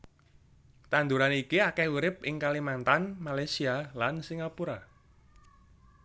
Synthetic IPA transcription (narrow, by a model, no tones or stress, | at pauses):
t̪and̪uɾanikiakɛuɾɪpʔɪŋkalimant̪anmalajsialansiŋɡapuɾa